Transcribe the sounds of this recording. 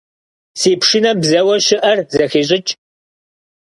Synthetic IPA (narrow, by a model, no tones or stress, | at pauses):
siːpʂinɐbzɐwɐɕɪʔɐrzɐxeːɕʼɪt͡ʃʼ